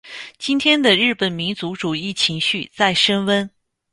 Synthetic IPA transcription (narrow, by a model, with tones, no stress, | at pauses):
t͡ɕi˥nt̪ʰjɛ˥nd̪ə˨ɻɻ̩˥˩pə˨˩nmi˧˥nt͡su˧˥ʈ͡ʂu˨˩i˥˩t͡ɕʰi˧˥ŋɕy˥˧t͡sa˥˩ɪʂə˥nwə˥n